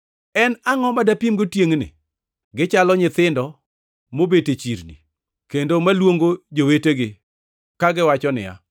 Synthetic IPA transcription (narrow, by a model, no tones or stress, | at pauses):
ɛnaŋɔmadapimɡotjeŋnɪ̰ | ɡɪt͡ʃalɔɲɪt̪ɪndɔ | mobetet͡ʃiɾnḭ | kendomalwoŋɡod͡ʒoweteɡɪ | kaɡɪwat͡ʃɔnɪ̰ja̰